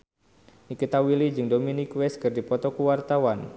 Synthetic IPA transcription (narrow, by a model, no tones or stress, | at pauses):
nikit̪awilid͡ʒɨŋdominikwɛskɨrdipɔt̪ɔkuwart̪awan